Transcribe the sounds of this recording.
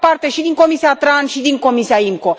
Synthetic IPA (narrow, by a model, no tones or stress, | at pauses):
part̪e̞ʃid̪iŋko̞misiat̪ɾanʃid̪iŋko̞misiaiŋko̞